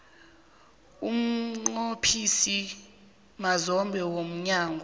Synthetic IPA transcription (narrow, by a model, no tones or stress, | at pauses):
um̩ŋ͡ǃopʰisi | mazɔmbʱɛwom̩ɲaːŋɡʱɔ